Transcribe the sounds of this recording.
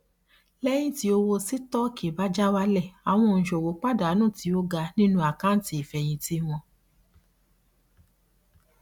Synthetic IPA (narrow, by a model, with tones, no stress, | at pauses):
lɛ˦j̃ĩ˦ti˧˦o˧wo˧si˦tɔ˦ke˨ba˦d͡ʒa˦wa˧lɛ˦˨a˨w̃ɔ̃˧n̩˨ʃo˨wo˨˦k͡pa˦˨da˨˦nũ˦˨ti˨˦o˦ɡa˧nĩ˦nũ˦a˨kã˦n̩˦ti˧˨i˨fɛ˨j̃ĩ˧ti˦w̃ɔ̃˧